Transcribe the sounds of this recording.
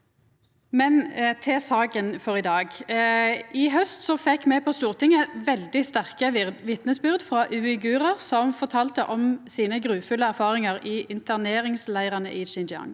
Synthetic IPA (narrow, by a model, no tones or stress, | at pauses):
mɛnt̪ʰɛsɑːkənfɔʁɪd̪ɑːɡ | ʔɪɦœst̪sɔfɛkːmɛpʰɔst̪uːʁt̪ʰɪŋəʋɛld̪ɪst̪æʁkəʋɪt̪nəsbʏʁd̪fʁɑːʔʉːɪɡʉːʁəʁsɔmfɔʁt̪ʰɑːlt̪əʔɔmsiːnəɡɾʉːfʉlːəæʁfɑːʁɪŋəʁɪːʔɪnt̪ʰəneːɾɪŋslæɪʁɑnə̰ʔɪːʃɪnd͡ʒɑ̰ŋ